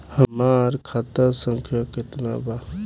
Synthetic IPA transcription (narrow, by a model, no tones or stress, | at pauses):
həmaːɾkʰat̪əɾsə̃ŋkʰjakɪt̪na̰ba